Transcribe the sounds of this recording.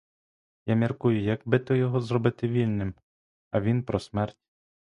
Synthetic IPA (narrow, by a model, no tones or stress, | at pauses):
jamʲirkujʊjɐɡbɪt̪ɔjɔɦɔzɾɔbɪt̪ɪʋʲilʲnɪm | ɐʋʲinpɾɔsmɛrtʲ